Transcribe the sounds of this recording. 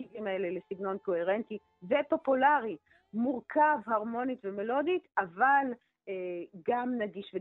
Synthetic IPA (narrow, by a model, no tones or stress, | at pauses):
iɡimaelelesiɡno̞nko̞he̞ʁent̪i | vepo̞pulaʁi | muʁkʰavhaʁmo̞nit̪vemelo̞d̪it̪aval | eɡamnaɡiʃve